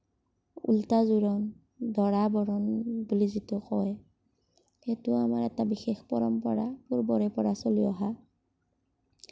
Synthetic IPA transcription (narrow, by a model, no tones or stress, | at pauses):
ṵltazuɹɔn | dʱɔɹabɔɹɔnbulizitɔkɔɛ | xɛtʊamaɹɛtabixexpɔɹɔmpɔɹapuɹbɔɹɛpɔɹasoliɔɦa